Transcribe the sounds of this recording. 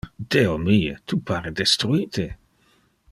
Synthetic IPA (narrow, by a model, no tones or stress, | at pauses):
d̪̥eomiet̪ʰupʰaɾed̪est̪ɾuiːt̪ʰe